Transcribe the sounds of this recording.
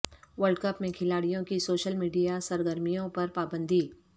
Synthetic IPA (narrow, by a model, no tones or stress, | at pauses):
ʋəɾɖkəpmẽkʰɪlaːɽijõkisoːʃəlmiːɖijasɐɾɡəɾmijõpɐɾpaːbə̃nd̪ʱiː